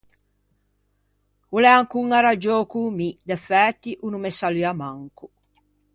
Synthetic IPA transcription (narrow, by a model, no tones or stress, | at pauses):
ulɛaŋkuŋaɾad͡ʒokumid̪ɛfɛt̪ːiʔunumɛsaliamaŋku